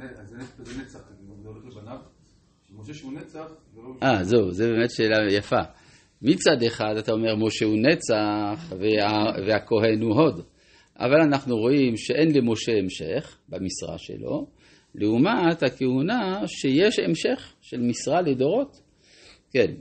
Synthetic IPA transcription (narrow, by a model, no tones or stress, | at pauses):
zenet͡saχdbebanav | moʃeunet͡saχ | ʔazeuzebeːmet̪ʃeːlajafa | mit͡sad̪eχad̪at̪aomeʁmo̞ʃeunet͡saχveaveako̞ɦe̞nhuɦo̞d̪ | ʔa̰valanaχnuʁo̞ʔimʃeʔenlemo̞ʃeemʃeχbamisʁa̰ʃḛlo̞̰ | leumat̪hakehunaʃejeʃemʃeχʃelmisʁaled̪o̞ʁo̞t̪ | ken